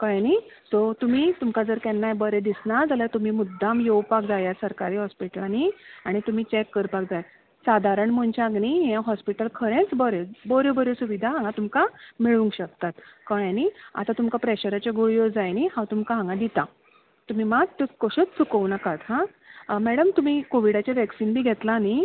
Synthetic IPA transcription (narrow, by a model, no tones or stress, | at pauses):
kəjanisot̪um̤it̪umkad͡zəɾkɛnːajbəɾẽd̪isnad͡zaljat̪um̤iːmud̪ʱːamjewpak̚d͡zajasəɾkaɾiːɦɔspiʈəlaniaɽ̃it̪um̤iːt͡ɕɛkːəɾpak̚d͡zaja | sad̪ʱaɾəɳmont͡ɕaːɡniɦãɦɔspiʈəlkʰəɾẽt͡sbəɾebəɾjobəɾjosuʋid̪ʱaɦãŋɡãt̪umkamiɭũŋkɕək̚t̪at̪kəɳjania̰t̪at̪umkapɾɛɕəɾat͡ɕeɡuɭjod͡zajnihãwt̪umkaɦãŋɡãd̪it̪a | t̪um̤imaɡt̪ukoɕət͡st͡sukəwnakat̪ɦã | mɛɽəmt̪um̤iːkoʋiɽat͡ɕaʋɛksinbʱiːɡʱɛt̪lani